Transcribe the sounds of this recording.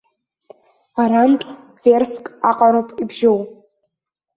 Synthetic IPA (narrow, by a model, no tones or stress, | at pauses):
aɾantʼ | verskʼaqʼaɾopʼibʒow